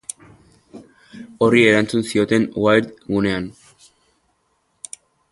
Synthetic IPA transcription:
o̞rie̞ɾant͡sunsio̞t̪e̞nwajɾt̪ɣune̞an

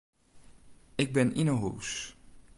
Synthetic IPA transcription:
ɪɡ̚bɛnɪnəɦows

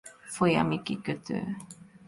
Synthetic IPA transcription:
foja̰mikikət̪ʰə̰

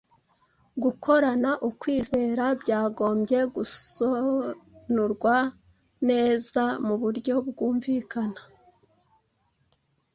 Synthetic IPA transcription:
ɡukʰo̞ɾanaʔukwiːze̞ːɾabɟaːɡo̞ːmɟe̞ɡuso | nuɾɡwa | ne̞ːzamuβuɾɟo̞b̚ɡuːɱviːkanḁ

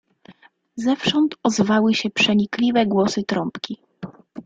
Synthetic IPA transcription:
zɛfʂɔnt̪ɔzvawɘɕɛpʂɛɲiklʲivɛɡwɔsɘt̪ɾɔmpkʲi

